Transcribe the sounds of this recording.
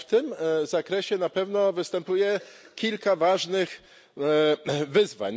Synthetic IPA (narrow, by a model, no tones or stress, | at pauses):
ft̪ɘmzakɾɛɕɛnapɛvnɔvɘst̪ɛmpujɛ | kʲilkavaʐnɘx | vɘzva̰ɲ